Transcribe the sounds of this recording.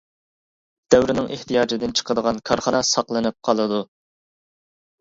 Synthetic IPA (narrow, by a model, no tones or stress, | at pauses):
d̪̥ɛwɾɪnɪŋʔeht̪ʰijɑːd͡ʒɪd̪ɪnt͡ʃʰə̥qəd̪əʁɑnkʰɑɾχɑnɑsɑqlˠɨnɨp̚qʰɑlˠɨd̪u